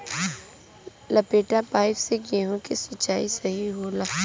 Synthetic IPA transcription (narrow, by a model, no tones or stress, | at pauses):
lɐpeːʈapaːɪfseɡeɦõkesɐt͡ʃːaːisɐɦiɦoːla